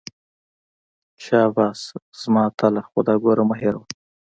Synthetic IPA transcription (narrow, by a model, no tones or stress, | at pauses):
ʃɑːbɑsz̥mɑt̪ʰalaxʊ̰d̪ɑːɡoɾamaɦeɾwa